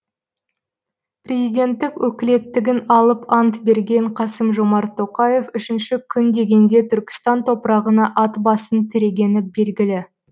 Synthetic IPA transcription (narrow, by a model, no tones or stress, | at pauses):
prʲe̞zijd̪ʲe̞nt̪ːɪkwɵkʲɪle̞t̪ːɪɡʲɪnɑlˠəpɑnt̪be̞ɾɡʲe̞ɴqʰɑsəmʒo̞mɑɾt̪ʰːo̞qɑje̞fʏʃɪnʃɪkʲʰʏnd̪e̞ɡʲe̞nd̪e̞t̪ʰʏɾkʲɪ̥st̪ɑnt̪ʰo̞pəɾɑʁənɑʔɑt̪bɑsənt̪ʰɪɾe̞ɡʲe̞nɪbe̞lɡʲɪlɪ